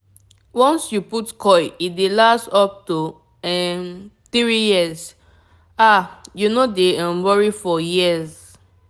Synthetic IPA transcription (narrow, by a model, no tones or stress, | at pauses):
wɔ̃nsjuputkʰɔɪidelastɔp̚tu | ɛmt̪ɹijiəz | ajunodeãwɔɹifɔjiz